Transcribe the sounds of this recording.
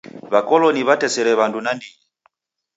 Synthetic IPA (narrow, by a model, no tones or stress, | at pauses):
βakɔlɔniβatɛsɛɾɛβandunandiɲi